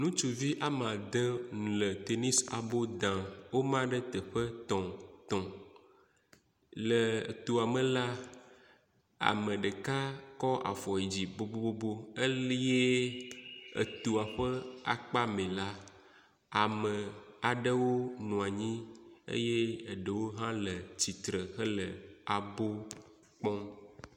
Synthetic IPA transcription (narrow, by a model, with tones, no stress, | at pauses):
nũ˦t͡ʃu˨vi˦ʔa˦mã˨d̪ə˦ŋũ˨lə˨t̪e˨ni˦sa̰˨bo˦d̪ã˨wo˦mã˦ɖɛ˦t̪ɛ˨ɸə˦t̪ɔ̃˨t̪ɔ̃˨ | lə̰˨t̪u˨a˨mẽ˨la˦ | a̰˨mə̃˨ɖe˨ka˦kɔ˦ʔa̰˨fɔ˨e˨d͡ʑi˨bo˦bo˦bo˦bo˦e˦lje˦ | ḛ˨t̪u˨a˨ɸə˦a̰˨k͡pa˦mẽ˨la˦ | a˨mə˨a˨ɖə˦wo˦nũ˨a˨ɲĩ˦ḛ˦je˦˨ɖə˨wo˦ɦã˦lə˨t͡ɕi˨t̪ɾə˨xə˦lə˨a˨bo˦ | k͡pɔ̃˦